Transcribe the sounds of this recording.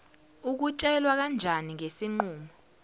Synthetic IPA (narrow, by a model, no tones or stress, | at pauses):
uk̬ut͡ʃʼɛlwak̬and͡ʒʱaniŋesiŋ͡ǃuːmɔ